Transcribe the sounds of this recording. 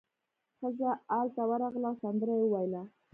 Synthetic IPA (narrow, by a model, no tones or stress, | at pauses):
xəzaːlt̪awaɾɑɣlawsand̪əɾajwəwajla